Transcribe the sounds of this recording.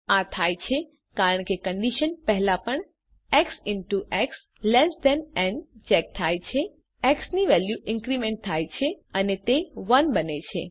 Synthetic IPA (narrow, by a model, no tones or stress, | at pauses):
at̪ʰajt͡ʃʰe | kaɾəɳkekəɳɖiʃənpəɦlapəɳ | ɛksɪɳʈuʔɛks | lɛsd̪ɛ̃nɛnt͡ʃɛk̚t̪ʰajt͡ʃʰe | ɛksniʋɛljuʔɪ̃ŋkɾimẽɳʈ̚t̪ʰajt͡ʃʰeənet̪eʋənbənet͡ʃʰḛ